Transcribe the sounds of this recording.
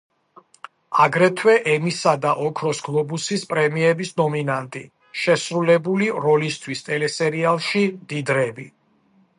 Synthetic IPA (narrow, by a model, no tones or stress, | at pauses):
aɡɾɛt̪ʰwɛʔɛmisad̪aʔɔkʰɾɔsɡlˠɔbusispʼɾɛmiɛbisnɔminant̪ʼi | ʃɛsɾulɛbuliɾɔlist̪ʰwist̪ʼɛlɛsɛɾialˠʃimd̪id̪ɾɛbi